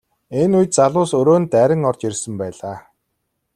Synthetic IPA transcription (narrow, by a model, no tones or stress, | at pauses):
enujt̪̚t͡saɮʊːsɵɾoːnt̪æɾʲɪ̆ŋɔrt͡ɕirʲsə̆mpæːɮaː